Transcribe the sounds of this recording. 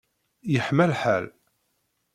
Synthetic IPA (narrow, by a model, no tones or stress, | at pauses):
jəħmælħæ̰l